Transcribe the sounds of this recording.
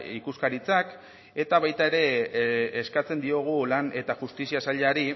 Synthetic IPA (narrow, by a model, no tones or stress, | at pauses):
ikuskaɾit͡sak | e̞t̪aβajt̪ae̞ɾe̞ː | skat͡se̞nd̪io̞ɣ̞ulane̞t̪aʝust̪isiasaʎaɾi